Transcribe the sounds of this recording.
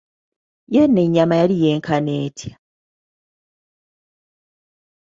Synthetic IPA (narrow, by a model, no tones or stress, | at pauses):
jenːe̞ɲːamajalije̞ːŋkʰane̞ːtʰjḁ